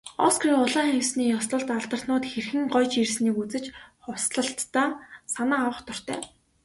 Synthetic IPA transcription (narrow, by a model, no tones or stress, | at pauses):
ɔ̰skriʊɮaːχewsniːjɔst̪ə̆ɬt̪aɮt̪ə̆r̥t̪nʊːt̪xerxɘ̆ŋɢɔjt͡ɕirsniːkut͡sɘ̆t͡ɕχʊwsɮə̆ɬt̪ːaːsanaːwə̆χt̪ɔ̆r̥t̪ʰœ̰ː